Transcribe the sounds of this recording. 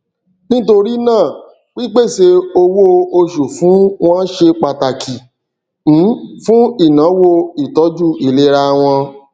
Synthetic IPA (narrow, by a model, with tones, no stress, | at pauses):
nĩ˦to˧ɾi˦nãː˦˨ | k͡pi˦k͡pe˦˨se˧o˧wo˦o˧ʃu˨fũ˨˦w̃ɔ̃˦ʃe˧k͡pa˧ta˨kʰi˨ | m̩˨˦fũ˦i˦˨nã˨˦wo˧i˨tɔ˨˦d͡ʒu˦˨i˨le˨˦ɾa˧w̃ɔ̃˧